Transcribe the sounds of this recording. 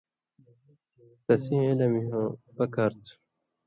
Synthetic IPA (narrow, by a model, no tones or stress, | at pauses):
t̪ɐsĩelɐmiɦõpɐkɐɾt̪ʰ